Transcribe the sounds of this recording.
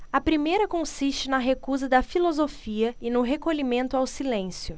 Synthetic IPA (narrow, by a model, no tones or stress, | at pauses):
ɐpɾimejɾɐkõsist͡ʃɪnɐɦekuzɐd̪ɐfilozofiɐɪnʊɦekoʎimẽnt̪ʊawsilẽsjʊ